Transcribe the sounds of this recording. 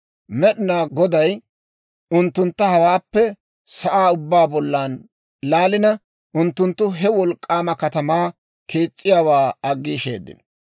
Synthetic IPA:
mɛɗɪnaːɡɔd̪ɐj | ʊnt̪ːʊnt̪ːɐhɐwaːpːɛ | sɐʔaːʊbːaːbɔlːaːn | laːlɪnɐ | ʔʊnt̪ːʊnt̪ːʊɦɛwɔlkʼːaːmɐkɐt̪ɐmaː | kʰeːt͡sʼːɪjaːwaːɐɡːiːʃḛːd̪ːɪ̰n

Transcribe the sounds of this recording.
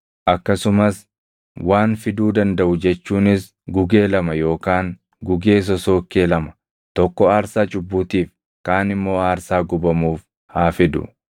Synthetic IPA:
ʔɐkːɐsʊmɐs | waːnfɪd̪uːd̪ɐnd̪ɐʔʊd͡ʒɛt͡ʃːuːnɪs | ɡʊɡe̞ːlɐmɐjo̞ːkaːŋ | ɡʊɡe̞ːs̬ɔso̞ːkːeːlɐmɐ̥ | t̪ɔkːɔaːɾsaːt͡ʃʼʊbːuːt̪iːf | kaːnɪmːo̞ːaːɾsaːɡʊbɐmuːf | haːfɪd̪ʊ̰

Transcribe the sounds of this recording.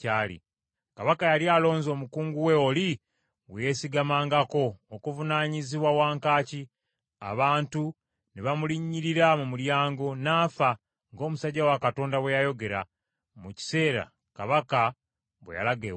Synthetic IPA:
aːlḭ | kaβakajalialo̞ːɲzo̞ːmukuːŋɡuwe̞oli | weje̞siɡamaːŋɡako̞ːkuvunaːɲiziβwawaːŋkaːci | a̰βaːntu | neβamuliɲːiɾiɾamumuljaːŋɡo̞naːfa | ŋɡo̞ːmusaɟawakato̞ːndawejajo̞ɡe̞ɾa | muci̥se̞ːɾa̰ | kaβaka | βwḛja̰laɡḛ

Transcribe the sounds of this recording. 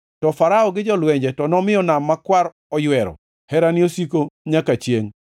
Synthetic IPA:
tɔfaɾaɔɡɪd͡ʒɔlwɛɲd͡ʒɛtɔnɔmɪɔnamːakwaɾ | ɔjwɛɾɔ̰ | hɛɾaniosikoɲakat͡ʃjeŋ

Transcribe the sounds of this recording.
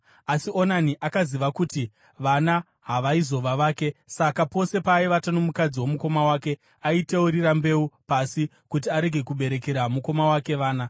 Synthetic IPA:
asio̞naniʔakaziʋakuti | ʋana | ɦaʋaizo̞ʋaʋaːke̞sakapo̞se̞paiʋatanomukad͡ziwo̞muko̞mawaːke̞ | aiteuɾirambe̞upasi | kut̬iaɾe̞ɡʱe̞kuɓe̞ɾe̞keɾamuko̞mawake̞ʋaːna

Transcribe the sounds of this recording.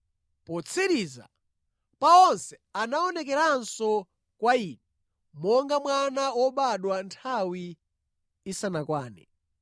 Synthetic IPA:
pɔt͡sʰiɾiza̰ | paɔnsɛ | anaɔnɛk̬ɛɾansɔ | kwaiːɗɛ | mɔŋɡamwanawɔɓaɗwantʰawiː | sanakwaːnɛ̰

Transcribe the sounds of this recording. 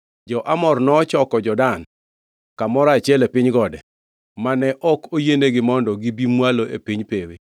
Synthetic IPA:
d͡ʒɔʔamɔrnɔt͡ʃɔkɔd͡ʒɔdan | kamɔɾat͡ʃɛlepiɲɡɔdɛ | manɛʔɔkojeneɡɪmɔndɔɡibimwaloʔḛpiɲpewe

